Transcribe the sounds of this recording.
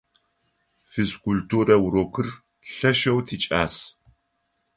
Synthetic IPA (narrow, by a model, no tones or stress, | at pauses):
fiskʷʰultʰuːɾɐwroːkʰɨr | ɬɐʃɐwtʰiːt͡ʃʼaːs